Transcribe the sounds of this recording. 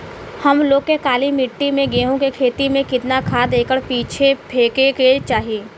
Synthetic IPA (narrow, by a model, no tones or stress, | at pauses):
hɐmloːɡ̚kekaːlimɪʈːimẽɡeɦõkekʰeːt̪imẽkɪt̪nakʰaːd̪eːkəɽpiːt͡ʃʰepʰeːkeket͡ʃaːɦieː